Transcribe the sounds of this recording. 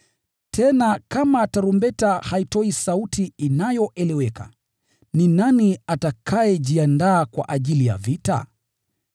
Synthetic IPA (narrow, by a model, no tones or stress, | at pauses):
tʰɛnakamataɾumbɛtahaitɔisautiinajɔʔɛlɛwɛka̰ | ninaniatakʰaɛʄiandaːkwa̰ʔaʄilija̰vita̰